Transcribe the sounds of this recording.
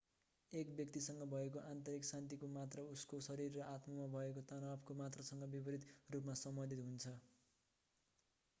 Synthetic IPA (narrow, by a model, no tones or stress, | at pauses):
ekbjʌk̚t̪isʌŋɡʌbʱʌek̬oʔant̪ʌɾiksant̪̬ikomat̪rʌuskosʌɾirːʌʔat̪mʌmabʱʌekot̪ʌnapkomat̪rʌsʌŋɡʌbibʌɾit̪rupmasʌmbʌnd̪ʱit̪ɦunt͡sʰʌ